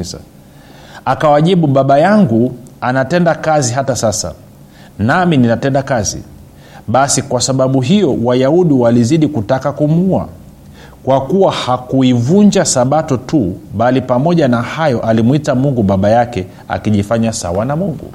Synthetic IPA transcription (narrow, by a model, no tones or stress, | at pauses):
akawaʄiɓuɓaɓajaŋɡuanatɛndakaziɦatasasa̰ | namininatɛndakazḭ | ɓasikwasaɓaɓuɦijɔwajauɗiwaliziɗikutakakumua̰ | kwakuwahakuivuɲd͡ʒasaɓatɔtuɓalipamɔʄanahajɔʔalimwitamuŋɡuɓaɓajakɛ | a̰kiʄifaɲasa̰wanamuŋɡṵ